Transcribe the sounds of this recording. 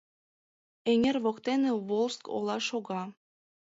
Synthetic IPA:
eŋʲerβokt̪enĕβolˠsko̰lˠɑʃoɣɑ

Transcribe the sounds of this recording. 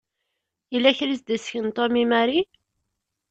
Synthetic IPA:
ilːæçɾisd̪əsçənt̪ˤomimæɾi

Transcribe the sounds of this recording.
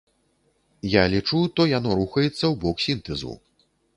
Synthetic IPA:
jalʲit͡ʂut̪ɔjanɔɾuxɐjɛt̪sːɐwbɔksʲint̪ɛzṵ

